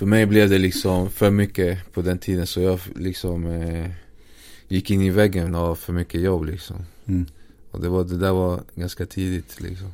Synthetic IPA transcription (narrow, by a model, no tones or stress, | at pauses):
fœɾmɛjblɛvd̪ɛlɪksɔmfœɾmʏkːəpʰɔd̪ɛnt̪ʰiːd̪ənsɔjɑːɡlɪksɔm | jɪkːɪnːɪvɛɡːənɑfœɾmʏkːəjɔbːlɪksɔ̰m | ɔ̰d̪ɛvad̪ɛd̪æːɾvaɾɡanskat̪ʰiːd̪ɪt̪lɪ̰ksɔm